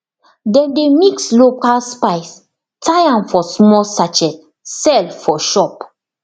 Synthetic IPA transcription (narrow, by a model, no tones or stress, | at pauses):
dɛ̃ndemikslokalspaɪs | tʰajãnfɔsmɔlsat͡ʃɛs | sɛlfɔʃɔp